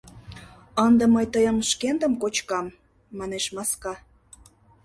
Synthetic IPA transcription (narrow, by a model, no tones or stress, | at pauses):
ənd̪ə̆məjt̪əjəmʃkend̪əmkot͡ɕkɑmː | ɑneʃmɑskɑ